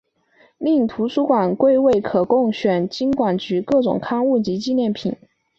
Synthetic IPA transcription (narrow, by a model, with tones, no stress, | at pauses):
li˥˩t̪ʰu˧˥ʂu˥kwa˨˩˦nkwe˥˧ɪwe˥˩ɪkʰɤ˨˩kʊ˥˩ŋɕɥɛ˨˩nt͡ɕi˥nkwa˨˩nt͡ɕy˧˥kɤ˥˩ʈ͡ʂʊ̰˨˩ŋkʰɑ˥˧ŋu˥˩t͡ɕi˧˥t͡ɕi˥˧njɛ˥˩npʰḭ˨˩˦n